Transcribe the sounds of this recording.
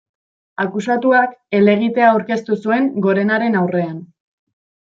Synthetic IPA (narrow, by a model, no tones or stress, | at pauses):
akusat̪uake̞le̞ɣ̞it̪e̞aːwɾke̞st̪usue̞ŋɡo̞ɾe̞naɾe̞nawre̞an